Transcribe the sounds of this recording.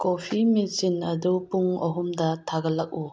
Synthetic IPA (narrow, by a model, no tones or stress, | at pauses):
kopʰimizinɐdupuŋɔɦumdatʰaɡɐlak̚u